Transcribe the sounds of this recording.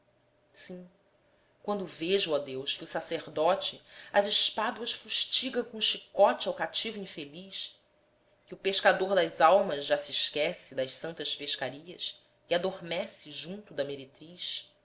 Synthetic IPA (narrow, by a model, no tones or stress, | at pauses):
sĩ | kwɐ̃nd̪ʊveʒʊɐd̪ewʃkɪusaseɾd̪ɔt͡ʃɪɐziʃpad̪uɐʃfuʃt͡ʃiɡɐ̃w̃kõʃikɔt͡ʃɪawkat͡ʃivʊĩfeliʃ | kɪʊpeʃkad̪oɾd̪ɐzawmɐzʒasiːʃkɛsɪd̪ɐʃsɐ̃nt̪ɐʃpeʃkaɾiɐʃ | iad̪oɾmɛsɪʒũnt̪ʊd̪ɐmeɾet̪ɾiʃ